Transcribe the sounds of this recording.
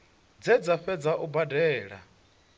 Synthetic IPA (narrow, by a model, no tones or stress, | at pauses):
d͡zɛd͡zaɸɛd͡zaʔubadɛːɺa̰